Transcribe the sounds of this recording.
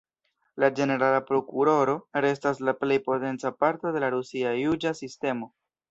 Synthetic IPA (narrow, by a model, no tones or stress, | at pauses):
lad͡ʒe̞ne̞ɾalapɾo̞kuɾo̞ɾo̞ɾe̞s̬taslaple̞jpo̞te̞nt͡sapaɾto̞de̞laɾusiajud͡ʒasiste̞mo̞